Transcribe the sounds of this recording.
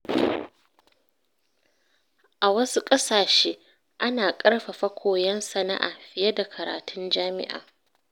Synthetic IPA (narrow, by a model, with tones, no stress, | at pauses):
ʔa˨wɐ˦su˦kʼɐ˦saː˨ʃeː˦ | ʔa˦naː˨kʼɐ˦rɸa˨ɸɐ˦kʷʰoː˨jɛ˦nsɐ˨na̰˦ʔa̰ː˨ɸɪ˨je˦da˨kʰɐ˨ɾa̰ː˨tʰʊ˦nd͡ʒaː˦mɪ̰˦ʔa̰ː˨